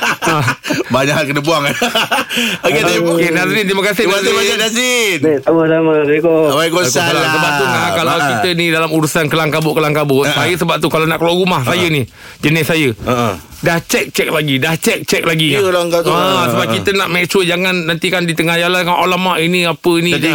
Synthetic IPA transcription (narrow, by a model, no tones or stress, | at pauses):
baɲakənəbuaŋan | okeaokkenazɪnt̪iməkas̬ɪsaanazinat̪abadamaɾekowajkosaasəbaʔ̚t̪unakalawkkit̪ənidalamuɾusankəlaŋkabʊʔkəlaŋkabʊʔsajəsəbap̚t̪ukalanaʔkəlaɾumahsajənih | d͡ʒənɪssajə | daht͡ʃɛk̚t͡ʃɛk̚laɡidaht͡ʃɛk̚t͡ʃɛk̚laɡilaŋkaasəbap̚kit̪ənaʔmet͡ʃuwəd͡ʒaŋanːant̪ikandit̪əŋahjalankanʔolamaʔiniapənĩ